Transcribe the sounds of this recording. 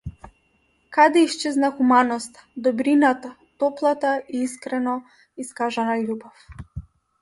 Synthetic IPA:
kad̪ɛiʃt͡ʃɛznaxumanɔst̪ḁd̪ɔbɾinat̪a | t̪ɔplˠat̪aiiskɾɛnɔ | iskaʒanalubɔf

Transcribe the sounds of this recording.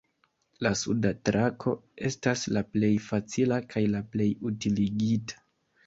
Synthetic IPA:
lasudatɾakʰo̞e̞staslaple̞jfat͡silakʰajlaple̞jutiliɡitḁ

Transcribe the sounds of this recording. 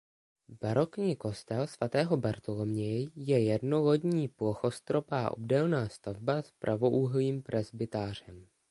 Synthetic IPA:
b̥aɾo̞kɲiːko̞st̪ɛlsv̥at̪ɛːɦo̞baɾt̪olomɲɛjɛjɛdno̞ɣo̞dɲiːploxo̞st̪ɾo̞paːʔo̰bdɛlnaːst̪avbaspɾʔavo̞ʔuːɦliːmpɾʔɛzbɪt̪aːr̝ɛm

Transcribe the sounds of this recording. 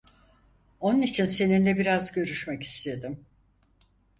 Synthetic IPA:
o̞nunit͡ʃʰinse̞ninlʲɛbiɾazɟø̞ɾyʃmɛci̥st̪ʰe̞d̪im

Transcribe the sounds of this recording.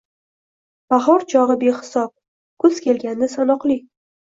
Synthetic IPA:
b̥aɦɒɾt͡ʃʰɒʁɨbehɪ̥sɒp̚ | kʰɵz̥kʲʰe̞lɡʲanːɪsanɒqlˠi

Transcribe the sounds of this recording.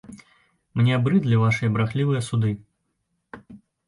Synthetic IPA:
mnʲɛabɾɨd̪lʲɐvaʂɨjɐbɾaxlʲivɨjɐsud̪ɨ

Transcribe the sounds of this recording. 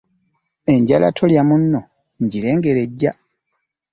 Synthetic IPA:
e̞ɲɟala̰tʰoljamunːo | ɲɟiɾe̞ːŋɡe̞ɾe̞ɟːa

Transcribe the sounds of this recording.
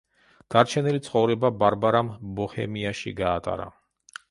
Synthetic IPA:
d̪̥aɾt͡ʃʰɛnilit̪sʰχɔvɾɛbabaɾbaɾambɔhɛ̰miaʃḭɡaːt̪ʼa̰ɾa̰

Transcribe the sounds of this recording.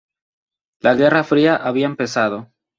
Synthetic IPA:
laɣe̞rafɾiaʔaβiaempe̞saðo̞

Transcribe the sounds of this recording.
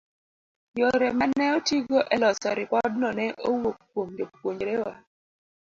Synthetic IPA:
joɾɛmanɛotiɡoʔɛlɔsɔɾɪpɔd̚nɔnɛʔowok̚pwomjopwoɲd͡ʒɾewa

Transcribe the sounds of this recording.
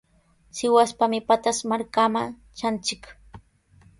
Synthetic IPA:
sɪwaspamɪpat̪asmaɾkama | t͡ʃant͡ʃɪk

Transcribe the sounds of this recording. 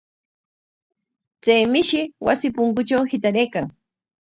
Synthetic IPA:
t͡sajmɪʃɪwa̰sɪpʊŋkʊt͡ʃawhɪt̪̬aɾejkaŋ

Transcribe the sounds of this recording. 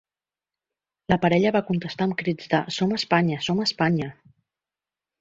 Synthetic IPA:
ləpəɾɛʎəβakunt̪əst̪aəmkɾid͡zd̪əsoməspaɲəsoməspaɲə

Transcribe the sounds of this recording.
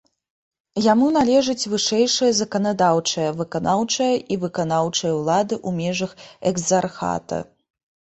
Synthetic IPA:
jamunalʲɛʐɨt͡sʲvɨʂɛjʂɨjɐzɐkɐnad̪awt͡ʂɐjɐvɨkanawt͡ʂɐjɐʔivɨkanawt͡ʂɐjɐwlˠad̪ɨʔumʲɛʐɐxɛɡzarxa̰t̪ɐ̰

